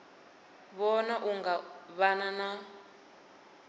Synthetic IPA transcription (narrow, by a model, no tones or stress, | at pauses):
βɔnaʔuŋɡaβanana